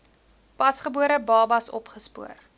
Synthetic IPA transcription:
pɐsχəbuəɾəbɑːbɐsɔ̰pχəspṵər

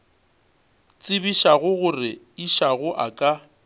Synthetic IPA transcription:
t͡sʼɪbiʃaɣʊɣʊrɪ | iʃaɣʊʔakʼa

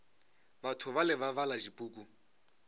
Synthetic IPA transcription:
batʰʊβalɪβaβalaʒipʼuːkʼu

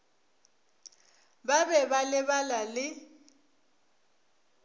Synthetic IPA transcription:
babɛbalɪβalalɪ

